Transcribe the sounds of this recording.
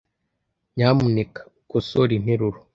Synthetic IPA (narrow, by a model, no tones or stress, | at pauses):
ɲaːmunekḁ | kusoɾin̥eɾuɾo